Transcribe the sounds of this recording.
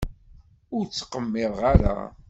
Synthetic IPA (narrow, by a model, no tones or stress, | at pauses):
ʊɾt͡sːqəmːɪðˤʁaɾa̰